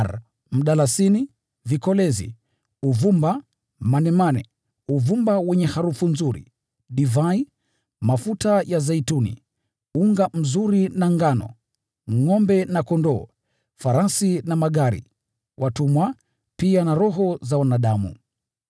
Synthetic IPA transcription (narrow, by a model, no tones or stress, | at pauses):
ɾ | m̩ɗalasini | vikɔlɛzḭ | uvumba | manɛmanɛ̰ | uvumbawɛɲɛhaɾufunzuɾḭ | ɗivai | mafutajazaitunḭ | uŋɡam̩zuɾinaŋɡanɔ̰ | ŋɔmbɛnakɔndɔː | faɾasinamaɠaɾḭ | wʔatumwa | pianaɾɔɦɔzawanaɗamṵ